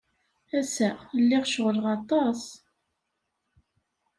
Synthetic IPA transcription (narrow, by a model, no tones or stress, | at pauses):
æsælːɪʁʃʁəlʁɑt̪ˤɑs